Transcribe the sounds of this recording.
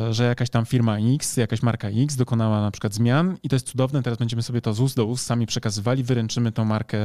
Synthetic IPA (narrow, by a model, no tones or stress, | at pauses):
ʐɛjakaɕt̪amfʲiɾmaiksjakaɕmaɾkaikzd̪ɔkɔnawanapʂɘ̥kwad̪zmʲjanit̪ɔjɛst̪sud̪ɔvnɛt̪ɛɾazbɛɲd͡ʑɛmɘsɔbʲjɛt̪ɔzusd̪ɔusːamʲipʂɛkazɘvalʲivɘɾɛnt͡ʂɘmɘt̪ɛ̃w̃maɾkɛ